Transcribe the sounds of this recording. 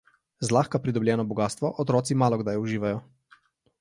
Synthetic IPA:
zlaxkapɾid̪ɔbljɛːnɔbɔɡaːst̪ʋɔʔɔt̪ɾɔːt̪simaːlɔɡd̪ajuʒiːʋajɔ

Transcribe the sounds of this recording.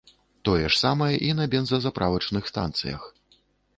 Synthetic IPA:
t̪ɔjɛʂsamɐjɛʔinɐbʲɛnzɐzapɾʔavɐt͡ʂnɨxst̪a̰nt̪sɨ̰jɐ̰x

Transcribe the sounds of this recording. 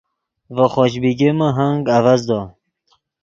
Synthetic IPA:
vəχɔɕbiɡeməɦaŋɡavazd̪ɔ

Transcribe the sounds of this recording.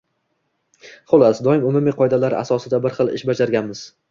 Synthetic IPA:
χʊlˠasd̪ɒɪmʊmʊmiqʰɒjd̪alaɾa̰sɒsɪd̪abɪɾχɨlˠɪ̰ʃbad͡ʒaɾɡʲanmɪz̥

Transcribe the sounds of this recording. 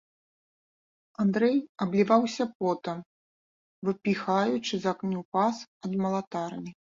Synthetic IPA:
and̪ɾɛjɐblʲivawsʲɐpɔt̪ɐm | vɨpʲixajut͡ʂɨzaknʲupasɐd̪mɐlˠat̪arnʲi

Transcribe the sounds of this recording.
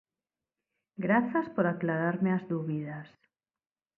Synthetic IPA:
ɡɾaθaspoɾaklaɾaɾmeazðuβiðas

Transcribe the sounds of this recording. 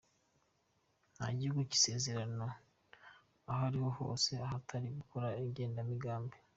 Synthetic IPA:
na̰ɟiuɡoci̥se̞ːze̞ɾano̞ | aɦaɾiho̞ho̞̰ːse̞ahatʰaɾiɡukʰo̞ɾaiɟe̞ːndamiɡaːmbe

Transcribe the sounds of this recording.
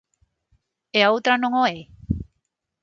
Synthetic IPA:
eawt̪ɾanoŋoe

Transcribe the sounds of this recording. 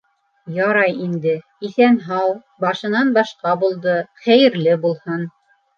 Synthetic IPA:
jɑɾɑjind̪ɘ | iθænɦɑw | bɑʃɤ̆nɑnbɑʃqɑbulˠd̪ɤχæjɘ̆ɾlɘbulˠhɤn

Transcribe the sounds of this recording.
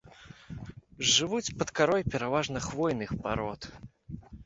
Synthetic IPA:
ʐɨvut͡sʲpɐt̪kaɾɔjpʲɛɾavaʐnɐxvɔjnɨxpaɾɔt̪

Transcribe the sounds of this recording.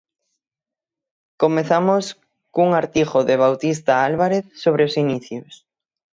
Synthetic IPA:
komeθamos | kuŋaɾt̪iɣoʊðeβ̞awt̪ist̪aalβaɾeθsoβ̞ɾeosiniθjʊs

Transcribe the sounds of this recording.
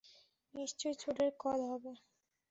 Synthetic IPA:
nist͡ɕojt͡ɕʰoʈeɾkɔlɦɔbe

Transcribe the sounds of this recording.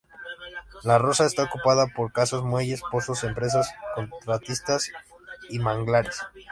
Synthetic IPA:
laro̞saest̪aokupaðapo̞ɾkasozmwe̞ʝe̞spo̞sose̞mpɾe̞s̬asko̞nt̪ɾat̪ist̪as | imaŋɡlaɾes

